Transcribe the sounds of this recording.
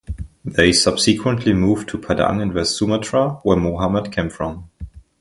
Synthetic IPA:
ðeɪsʌb̥sɨkʰwə̃nʔʰlimuv̥tʰupʰadã̰ŋɨ̃nvɛstsumətʰɹawəmoɦamədkʰẽmfɹɔ̃m

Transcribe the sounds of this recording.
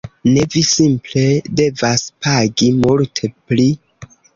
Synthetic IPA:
ne̞visimple̞de̞vaspaɡimultʰepli

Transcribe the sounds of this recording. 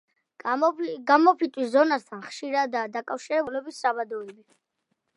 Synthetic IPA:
ɡamɔpʰit̪ʼwiszɔnast̪ʰanχʃiɾad̪aːd̪akʼafʃiɾɛbulɛbisːabad̪ɔili

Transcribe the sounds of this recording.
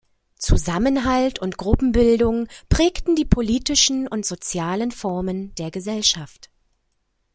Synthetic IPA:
t͡suzamənɦaltʊntɡ̥ʁʊpm̩bɪldʊŋpʁ̥ɛːktn̩diːpʰoliːtɪʃn̩ʊntz̥ot͡sjaːlənfɔɐməndeːɐɡəzɛlʃaft

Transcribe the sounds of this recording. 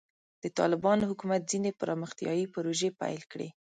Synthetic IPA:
d̪̥ət̪ɑ̰lɪbɑnohʊkumat̪̚zinepəɾɑməxt̪jɑ̰jipʊɾoʒepa̰jlkɽḛ

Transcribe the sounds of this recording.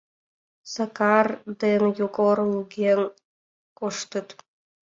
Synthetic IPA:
sɑkɑrd̪enjukorluɡʲen | koʃt̪ə̆t̪

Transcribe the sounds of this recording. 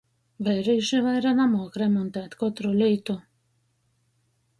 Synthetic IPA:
vɛjɾiːʃivajɾanamɔːkɾɛmɔnt̪æːt̪kɔt̪ɾɔlʲiːt̪u

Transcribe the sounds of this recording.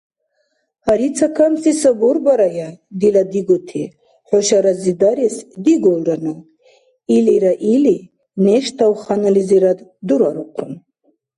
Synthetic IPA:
haɾit͡sʰakʰamsisəbɔɾbaɾajad̪ilad̪iɡɔt̪ʰi | ħɔʃaɾazid̪aɾɛsd̪iɡɔlɾanɔ | iliɾaʔili | nɛʃt̪ʰawχanaliziɾad̪d̪uɾaɾuqʰun

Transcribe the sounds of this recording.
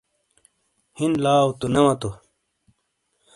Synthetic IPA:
hinlaːwt̪unɐwɐt̪o

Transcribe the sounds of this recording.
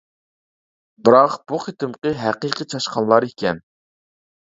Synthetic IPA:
bɪɾɑqb̥uχet̪ɪmqəɦæqiːqit͡ʃʰɑʃqʰɑnlˠɑɾikʲɛn

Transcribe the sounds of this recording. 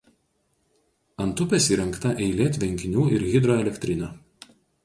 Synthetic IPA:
ɐnt̪ʊpʲɛsiːɾʲɛŋkt̪ɐʔɛɪlʲeːt̪ʲʋʲɛŋʲkʲɪnʲuːʔɪɾɣʲɪd̪ɾɔːɛlʲɛkʲt̪ʲɾʲɪnʲoː

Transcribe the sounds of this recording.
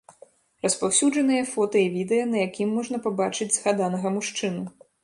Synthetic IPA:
rɐspawsʲud͡ʐɐn̪ɨjɐfɔt̪ɨjivʲid̪ɛjɐnɐjakʲimːɔʐnɐpabat͡ʂɨd͡zʲzɣad̪anɐɣɐmuʂt͡ʂɨnu

